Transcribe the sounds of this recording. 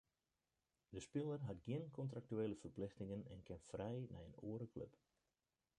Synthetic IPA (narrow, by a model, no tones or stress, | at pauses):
dəspɪlˠərɦatɡjɪnkʰɔntrak̚tyeːləfərplɪxtɪŋənɛ̰nkʰɪnfrɛjnɛ̰jəno̰əɾəkʰlø̰p